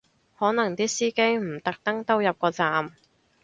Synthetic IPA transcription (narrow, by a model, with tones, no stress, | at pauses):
hɔː˨˥nɐ˨˩ŋt̪iː˥siː˥ke˥jm̩˨˩t̪ɐ˨k̚t̪ɐ˥ŋt̪ɐ˥wjɐ˨p̚kɔː˧t͡saː˨m